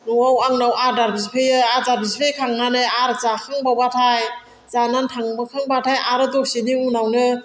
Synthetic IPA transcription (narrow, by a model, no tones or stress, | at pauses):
nuawaŋnawʔaɾdaɾbis̬pʰejɯazaɾbispʰejkʰaŋnanɯjaɾzakʰaŋbawbatʰaj | zanantʰaŋbɯkʰaŋbatʰajʔaɾɯdoseniunawnɯ